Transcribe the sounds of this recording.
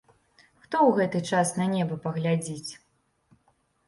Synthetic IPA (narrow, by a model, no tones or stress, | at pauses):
xt̪ɔwɣɛt̪ɨt͡ʂasnɐnʲɛbɐpɐɣlʲad͡zʲit͡sʲ